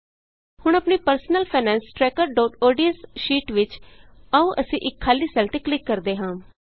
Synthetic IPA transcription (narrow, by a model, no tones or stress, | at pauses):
hʊɳ̃əpniːpəɾsənəlpʰɛːnɛ̃ːnsʈɾɛːkəɾɖaːʈoːɖiəsʃiːʈʋɪt͡ʃaːũːʔəsĩːʔɪkʰːaːliːsɛːlt̪eːklɪkːəɾd̪eːɦãː